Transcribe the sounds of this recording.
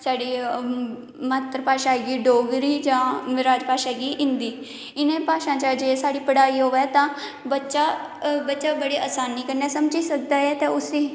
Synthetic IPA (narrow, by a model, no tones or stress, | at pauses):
saːɽiː | maːt̪ɾpaːʃaːɡiːɖoːɡɾiːd͡ʒãːmɾaːd͡ʒpaːʃaːɡiːʔɪ̃nd̪iː | ɪnẽːpaːʃãːt͡ʃãd͡ʒeːsaːɽiːpəɽaːiːɦoːʋɛːt̪ãː | bətːʃaːbətːʃaːbəɽeːʔaːsaːnːiːkəɾnɛːsəmd͡ʒiːsək̚d̪aːɛːt̪eːʊseː